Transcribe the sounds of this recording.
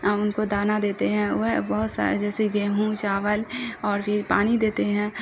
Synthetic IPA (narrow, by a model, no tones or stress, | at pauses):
aʊnkod̪aːnad̪eːt̪eɦɛ̃bɔɦʊt̪sa̰ːɾḛd͡ʒɛːseɡẽːɦũt͡ʃaːʋəlɔːɾpʰɪɾpaːñid̪eːt̪eɦɛ̃ː